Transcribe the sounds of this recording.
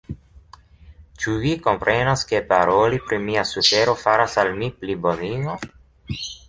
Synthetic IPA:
t͡ʃuviko̞mpɾʔenaske̞paɾolipɾimiasufe̞ɾo̞faɾasalmipliboniŋo

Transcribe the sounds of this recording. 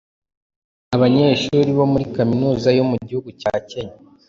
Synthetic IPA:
aβaɲe̞ːʃuːɾiβo̞muɾikaminuːzajo̞muɟihuɡucaceɲa

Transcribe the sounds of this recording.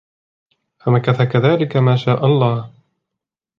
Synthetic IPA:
famakaθakaðaːlɪkamaːʃaːʔɑlˤːɑːh

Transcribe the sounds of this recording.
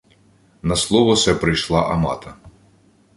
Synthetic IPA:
nɐslˠɔʋɔsɛpɾɪjʃlˠɑʔɐmɑ̰t̪ɐ

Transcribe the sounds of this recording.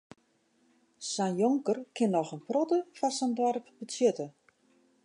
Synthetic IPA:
sɛnjoŋkərkʰɪnːɔxənprɔtəfasəndwɔrpbət͡sjøtə

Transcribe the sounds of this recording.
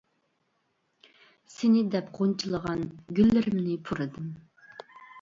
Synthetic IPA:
sɪnɪd̪ɛpqʰont͡ʃʰilˠəʁɑnɡʲylːɪɾɪmnɪpʰuɾɨd̪ɨm

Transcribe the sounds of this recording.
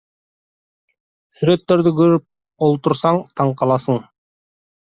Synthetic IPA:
syɾe̞t̪ːe̞ɾd̪ykɵɾyp̚ | olˠt̪uɾsɑɴt̪ʰɑɴqɑlˠɑsɤɴ

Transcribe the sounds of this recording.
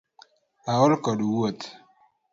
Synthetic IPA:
aɔlkɔdwot̪

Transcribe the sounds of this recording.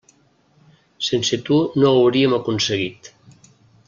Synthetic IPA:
senset̪unoawɾiemakunseɣit̪

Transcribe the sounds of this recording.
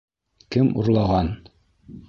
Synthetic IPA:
kɘmṵɾlˠɑʁɑn

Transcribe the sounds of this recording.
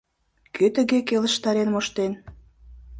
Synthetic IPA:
kʰøt̪ə̆ɣekelə̆ʃt̪ɑɾenmoʃt̪en

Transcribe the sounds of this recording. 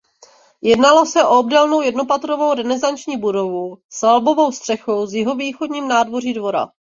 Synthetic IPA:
jɛdnalo̞sɛʔoobdɛlno̞wjɛdno̞pat̪ɾovo̞wɾɛnɛzant͡ʃɲiːbudo̞vusalbo̞vo̞wst̪r̥ɛxo̞wzjɪɦo̞viːxodɲiːmnaːdvo̞riːdvo̞ɾa̰

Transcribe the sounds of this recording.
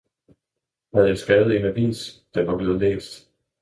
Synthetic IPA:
hæð̞̩ˠjɑ̈ɪsɡ̥ɛːʊð̩ˠe̝næʋḭnsd̥æʋɑ̈b̥le̝ːð̩ˠlḛːsd̥

